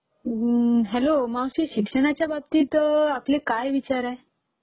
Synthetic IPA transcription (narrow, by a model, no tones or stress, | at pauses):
ɦɛlomãw̃siʃikʂəñat͡ɕjabab̚t̪it̪ɔaplekajʋit͡ɕaɾae